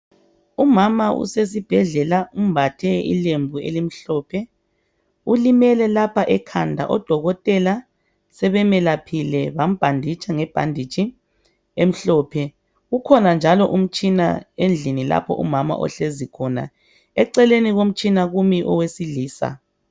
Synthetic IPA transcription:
umamaʔṵses̬ib̥ʱɛɮɛlaum̩bʱatʰɛḭlembʱuḛlim̩ɬɔːpʰɛ | ulimɛlɛlapʰaʔɛkʰandʱa̰ʔɔd̥ʱɔɣɔtʼɛla | sɛβɛmɛlapʰilɛβam̩b̥ʱandʱit͡ʃʼaŋɛb̥ʱa̰ndʱit͡ʃʼi | em̩ɬɔːpʰɛ | ɣukʰɔnand͡ʒʱalɔʔum̩t͡ʃʼina̰end͡ɮʱinila̰pʰɔ̰ʔṵmama̰ʔɔ̰ɬezikʰɔna̰ | ɛǀɛleniɣom̩t͡ʃʼinaɣumiʔɔwesiliːsa̰

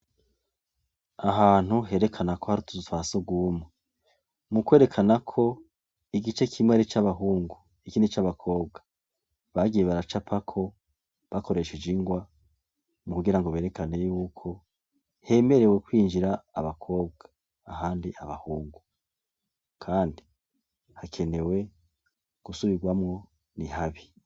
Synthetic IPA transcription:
aɦaːn̥huɦe̞ɾe̞kʰanako̞haɾutu̥zutwasoɡuːmŋe | mukwe̞ɾekʰanakʰo̞ | iɡit͡ʃe̞kʰimŋeɾet͡ʃaβaɦuːŋɡu | ikiːndit͡ʃaβakʰo̞ːb̚ɡa | βaɡijeβaɾat͡ʃapʰakʰo̞ | βako̞ɾe̞ʃed͡ʒiŋɡwa | mukuɡiɾaŋɡoβe̞ːɾe̞kane̞jukʰo̞ | he̞me̞ɾe̞we̞kwiːnd͡ʒiɾaːβakʰo̞ːbɡḁː | ɦaːndiʔaβa̰huːŋɡu | kʰaːndi | hakʰe̞ne̞we̞ | ɡ̥usuβiɡwamŋo̞ | nihaβi

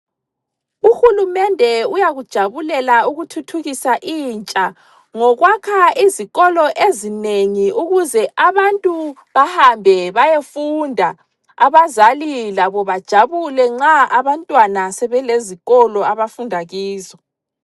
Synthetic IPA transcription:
uxulumɛndʱɛujaɣud̥ʒ̥ʱaβulɛlauɣutʰutʰuɣisaʔiːnt͡ʃʼa | ŋɔɣwakʰaiziɣɔlɔʔezineŋiuɣuzɛʔaβantʼuβahambʱɛβajefundʱa | aβazalilaβɔβad̥ʒ̥ʱaβulɛŋ͡ǁaaβantʼwanasɛβɛleziɣɔlɔaβafundʱaɣiːzɔ

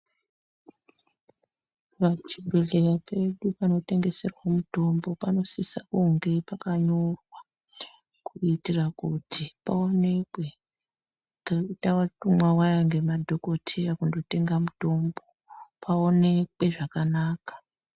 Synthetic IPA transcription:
ʋat͡ʃibʱeɮe̞japʰe̞ɗupano̞te̞ŋɡe̞se̞rwamuto̞mbo̞pano̞sisakuŋɡe̞pakaɲo̞rwa | kʰuitirakutipao̞ne̞ke | atawatumwawajaŋɡe̞madʱo̞ko̞tʰe̞jakundo̞te̞ŋɡamuto̞mbo̞ | pʰao̞ne̞kwe̞ʐakanaːkḁ

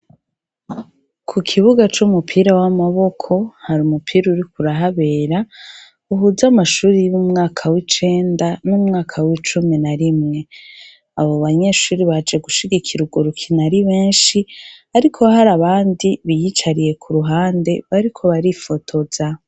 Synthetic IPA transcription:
kʰukʰiβuɡat͡ʃumupʰiɾawamaβo̞kʰo̞haɾumupʰiːɾuɾikuɾaɦaβe̞ːɾa | uɦuzamaʃuːɾijumŋaːkʰawit͡ʃe̞ːndanumŋaːkʰawit͡ʃuminaɾimŋe̞ | aβo̞βaɲe̞ʃuːɾiβad͡ʒe̞ɡuʃiɡikʰiɾuɡoɾukʰinaɾiβe̞ːnʃiaɾikʰo̞haɾaβaːndiβijit͡ʃaɾije̞kʰuɾuɦaːnde̞βaɾikʰo̞βaɾifo̞tʰo̞z̥a

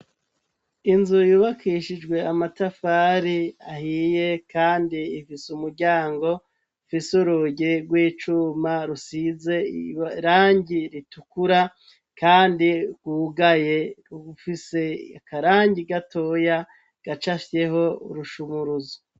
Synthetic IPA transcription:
inzujuːβakiʃid͡ʒɡwe̞amatafaːɾiahije̞kaːndiːfisumuɾɟaːŋɡo̞ | fisuɾuɟeɾɡwiːt͡ʃumaɾusize̞ɾaːɲɟiɾitukuɾa | kaːndikuːɡaje̞ufise̞akaɾaːɲɟiɡatʰo̞ja | ɡ̥at͡ʃafe̞ɦo̞ṵɾuʃumuɾuzo

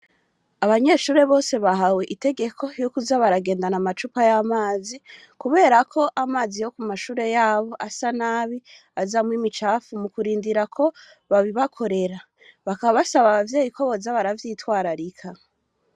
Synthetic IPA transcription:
aβaɲe̞ʃuːɾe̞βo̞ːse̞βaɦaweʔite̞ɡe̞kʰo̞jokuzaβaɾaɡe̞ːndanamat͡ʃupajamaːzi | kuβe̞ːɾakʰo̞ʔamaːzijo̞kumaʃuːɾe̞jaːβo̞ʔasanaːβi | azamwimit͡ʃaːfumukuɾiːndiɾakʰo̞ | βaβiβakʰo̞ɾe̞ɾa | βakaβasaβaβavje̞ːjikoβo̞zaβaɾavjiːtwaːɾaɾikʰa

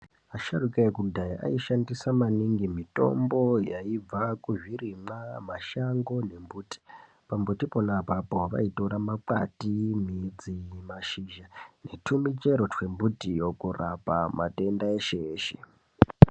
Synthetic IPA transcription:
aʃarukaekudʱajiʔa̰iʃandisamaniŋɡimito̞̰mbo̞jaib͡vakuʐirimamaʃaŋɡo̞ne̞mbuːti̥ | pambutiponapapoʋa̰ito̞ɾamaǃa̰timid͡zimaʃiʒane̞tʰumit͡ʃe̞ɾo̞twe̞mbutijo̞kurapama̰te̞ndaeʃeːʃe̥

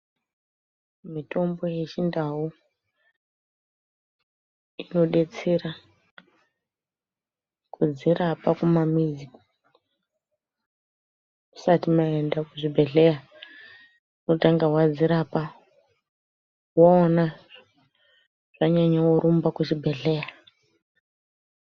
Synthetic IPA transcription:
mitʰo̞mbo̞jet͡ʃindaɦu | ino̞ɗe̞t͡seɾa | kʰud͡zirapakumamizi | usatimaendakuʐibʱe̞ɮeja | uno̞taŋɡaɦwad͡ziɾapa | waona | ʐ̥aɲaɲawuɾumbakut͡ʃibʱe̞ɮe̞ja

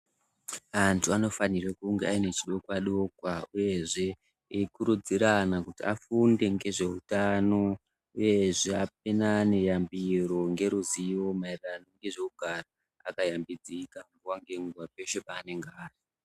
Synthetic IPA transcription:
antʰuano̞fanirekuŋɡeaine̞t͡ʃiɗo̞kwaɗokwauje̞ʐe̞ | ikuɾud͡ziɾanakutiafunde̞ŋɡe̞ʐe̞utano̞ | uje̞ʐeap̚enane̞jambiɾo̞ŋɡe̞ɾuziwo̞mairranoŋɡe̞ʐe̞kuɡʱara | akajambid͡zikambuwaŋɡe̞ŋɡuwape̞ʃepaːne̞ŋɡaːri

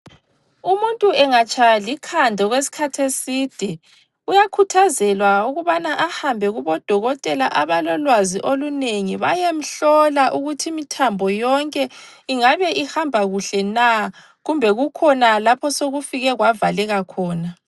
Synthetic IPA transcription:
umuntʼuɛŋat͡ʃʰʼalikʰandʱɔɣwesi̥kʰatʰesiːd̥ʱɛ | ujakʰutʰazɛlwauɣuβanaʔahambʱɛɣuβɔd̥ʱɔɣɔtʼɛlaʔaβalɔlwaziʔoluneŋiβajem̩ɬɔlaʔuɣutʰimitʰambʱɔjɔŋkʼɛiŋaβɛʔihambʱaɣuɬɛna | ɣumbʱɛɣukʰɔnalapʰɔsoɣufiɣɛɣwavalɛɣakʰɔːna

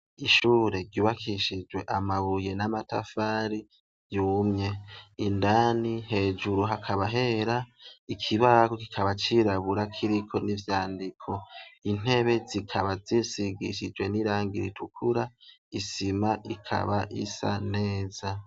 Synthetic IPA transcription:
iʃuːɾe̞ɾɟjuːβakʰiʃid͡ʒwe̞ʔamaβuje̞namatafaːɾi | juːmɲe̞indaniɦe̞ːd͡ʒuɾuɦakʰaβaɦe̞ɾaikʰiβakoki̥kʰaβat͡ʃiɾaβuɾakʰiɾikʰo̞nivjaːndikʰo̞in̥e̞βe̞zikʰaβazisiɡiʃid͡ʒwe̞niɾaːŋɡiɾḭtʰukʰuɾa | isimaʔikʰa̰βaʔḭsa̰ne̞ːza

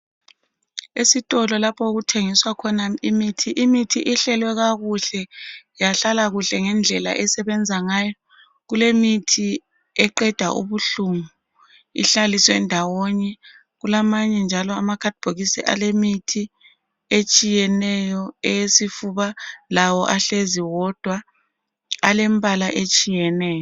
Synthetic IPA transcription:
esitʼɔlɔlapʰɔɣutʰeŋiswakʰɔnaimitʰiʔimitʰiʔiɬɛlwɛɣaɣuɬɛjaɬalaɣuɬɛŋɛnd͡ɮʱɛla̰ʔɛsɛβɛnd͡zʱaŋaːjɔ | ɣulemitʰi | ɛǃɛd̥ʱa̰ʔṵβuɬumu | ḭɬaliswɛndʱawoɲɛ | ɣulamaɲɛnd͡ʒʱalɔamakʰad̥̚b̥ʱoɣisḭʔa̰lemitʰi | et͡ʃʼijɛnɛjɔɛjesifuβalawɔʔaɬeziwɔd̥ʱwa | alembʱalaʔet͡ʃʼijɛnɛːjɔ

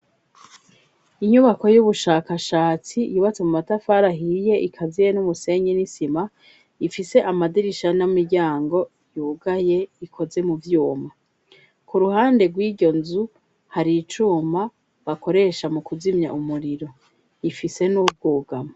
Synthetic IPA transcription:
iɲuβako̞juβuʃaːkaʃaːt͡sijuːβat͡semumatafaɾaɦije̞ʔikʰazijenumuse̞ɲenisima | ifise̞ʔamadiɾiʃanamiɾɟaːŋɡo̞ | juːɡaje̞ikʰo̞ze̞muvjuːma | kuɾuɦaːnde̞ɡwiːdɟo̞nzu | haɾit͡ʃuːma | βako̞ɾe̞ʃamukuzimɲa̰ʔumuɾiɾo̞ | ifise̞nuːb̚ɡuːɡama

